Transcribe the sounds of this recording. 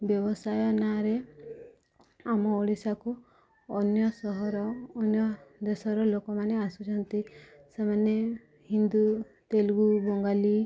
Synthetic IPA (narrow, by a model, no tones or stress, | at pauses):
bjɔbɔsajɔnaɾe | amɔɔɽisakuː | njɔsɔɦɔɾɔːnjɔd̪esɔɾɔlokɔmaneasut͡ʃʰɔnt̪i | semane | ɦind̪u | t̪elɡubɔŋɡali